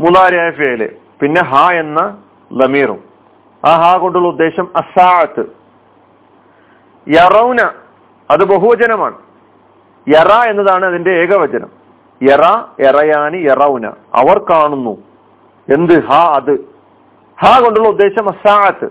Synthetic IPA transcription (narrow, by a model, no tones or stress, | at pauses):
mulaːɾjaːjɐfeːjlḛ | pinːe̞ɦaːe̞nːɐ | lɐmiːrṵm | aːɦaːko̞ɳɖuɭːɐud̪ːe̞ːɕɐmɐsaːʕɐt̪ːɨ | jɐrɐwnɐ | ɐðɨbɐɦuʋɐd͡ʑɐnɐma̰ːɳɨ | jerae̞nːɐðaːɳɨɐðinde̞eːɡɐʋɐd͡ʑɐnɐ̰m | jeraerɐjaːnijerɐwnɐ̰ | ɐ̰ʋɐrkaːɳunːu | e̞nd̪ɨhaːɐðɨ | haːko̞ɳɖuɭːɐud̪ːe̞ːɕɐmɐsaːʕɐt̪ːɨ̰